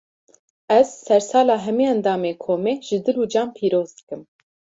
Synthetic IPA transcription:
ɛzːɛɾsɑːlɑːɦɛmiːɛnd̪ɑːmeːkʰoːmeːʒ̥ɨd̪ɨluːd͡ʒɑːmpʰiːɾoːzd̪ɨ̥kɨm

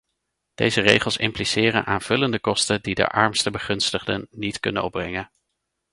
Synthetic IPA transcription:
d̥ejzərejχəlˠsɪmplisɪːrə̰nʔaːnv̥ɵləndəkɔstədidə̰ʔɑ̰ɹmstəbəχɵnstəχdə̰nːitkɵnənɔbrɛŋən

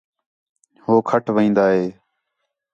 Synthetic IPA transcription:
hoːkʰəʈʰʋəĩːnd̪aːɦeː

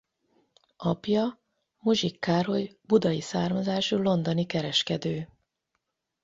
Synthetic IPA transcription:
ɒpjɒ | muʒikːaːɾo̞jbud̪ɒjisaːrmɒzaːʃulo̞nd̪onikɛɾɛʃkɛd̪øː

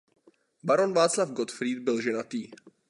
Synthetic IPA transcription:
baɾo̞nvaːt͡slafɡot̪fɾiːd̪̚bɪlʒɛnat̪iː

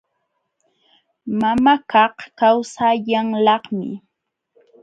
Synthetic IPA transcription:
mamakɑhkawsaʎaŋlɑχmɪ̰

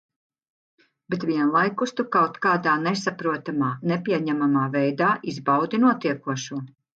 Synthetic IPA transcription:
bɛt̪viɛnlˠajkust̪ukawt̪kaːd̪aːnɛsapɾuɔt̪amaːnɛpʲiɛɲæmamaːvɛjd̪aːʔizbawd̪inuɔt̪iɛkuɔʃuɔ

